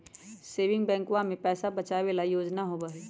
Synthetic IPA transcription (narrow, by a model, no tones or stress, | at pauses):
seːʋɪ̃ŋɡbɛ̃ːŋkwamẽpɛːsabɐt͡ʃaːʋelajoːd͡ʒnaɦobaɦɛː